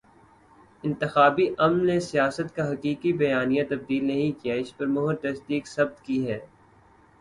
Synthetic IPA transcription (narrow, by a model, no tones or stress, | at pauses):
ɪ̃nt̪ɪxaːbiʔɐmnːesijaːsət̪kaɦɐkiːkibɐjaːnijãt̪ɐb̚d̪iːlnɐɦĩkijaɪspɐɾmʊɦʊɾd̪ɐsd̪iːksɐb̚t̪kiɦɛː